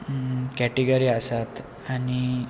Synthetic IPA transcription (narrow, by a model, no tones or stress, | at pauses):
kɛʈiɡəɾiːasat̪ | aɽ̃i